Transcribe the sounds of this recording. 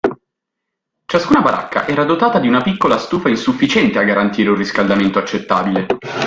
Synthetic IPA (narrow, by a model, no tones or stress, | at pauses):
t͡ʃaskuːnabaɾa̰kʰːa̰ʔɛːɾad̪ot̪aːt̪ad̪iunapikːolast̪uːfainsufːit͡ʃɛnt̪eaɡːaɾant̪iːɾeunriskald̪ament̪oat͡ʃːet̪ːa̰ːbile